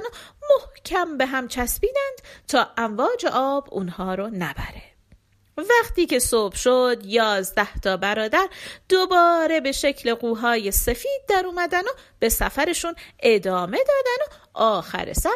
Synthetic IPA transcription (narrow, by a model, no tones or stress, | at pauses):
nomohcʰæmbe̞ɦæmt͡ʃʰæsbiːd̪ænd̪̥t̪ʰɒːʔæmvɒːd͡ʒe̞ʔɒːb̥ṵːnhɒːɾonæbæ̰ɾe | væχt̪iːce̞sob̥ʃod̪jɒːzd̪æht̪ʰɒːbæɾɒːd̪æɾd̪̥obɒːɾe̞be̞ʃe̞cʰle̞ɡuːɦɒːjese̞fiːd̪̚ːæɾuːmæd̪ænob̥e̞sæfæɾe̞ʃune̞d̪ɒːme̞d̪ɒːd̪æno | ʔɒːxæ̰ɾḛsæ